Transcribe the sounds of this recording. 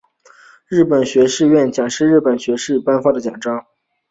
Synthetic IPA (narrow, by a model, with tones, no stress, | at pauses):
ɻɻ̩˥˩pə˨˩nɕɥɛ˧˥ʂɻ̩˥˧ɥɛ˥˩nt͡ɕjɑ˨˩ŋʂɻ̩˥˧ɻ̩˥˩pə˨˩nɕɥɛ˧˥ʂɻ̩˥˩pa˥˧nfa˥d̪ə˩t͡ɕjɑ˨˩ŋʈ͡ʂɑ˥ŋ